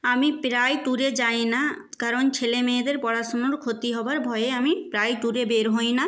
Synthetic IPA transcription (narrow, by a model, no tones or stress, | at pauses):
amipɾajt̪uɾed͡ʑajna | kaɾont͡ɕʰelemeed̪eɾpɔɽaʃonoɾkʰot̪iɦɔbaɾbʱɔeeamipɾajt̪uɾebeɾɦojna